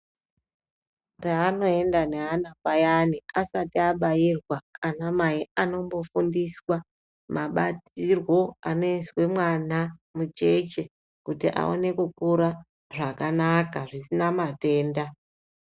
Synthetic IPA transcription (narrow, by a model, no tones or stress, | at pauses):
paːno̞e̞ndaneɦanakajaniasatiaɓajirwaanamaiano̞mbo̞fundiswa | maɓatirwo̞ano̞enswe̞mwanamut͡ʃe̞t͡ʃe | kutiʔa̰o̞̰ne̞kukuɾa | ʐakanakaʐisinamate̞ːnda